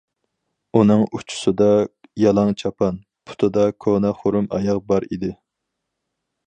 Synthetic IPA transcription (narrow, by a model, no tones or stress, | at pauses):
unɨŋut͡ʃʰu̥sɨd̪ɑjɑlˠɑŋt͡ʃʰɑpʰɑn | pʰʊ̥t̪ʰɨd̪ɑkʰonɑχoɾumɑ̰jɑqbɑɾḭd̪ɪ